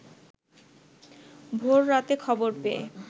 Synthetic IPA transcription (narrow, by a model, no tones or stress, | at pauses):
bʱoɾːat̪ekʰɔboɾpeḛ